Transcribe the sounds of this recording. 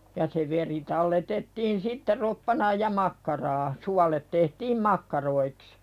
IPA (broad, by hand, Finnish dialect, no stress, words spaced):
jɑ se ʋeri tɑlːetetːiːn sitːe ropːɑnɑːj jɑ mɑkːɑrɑː suɑlet tehtiːm mɑkːɑroiks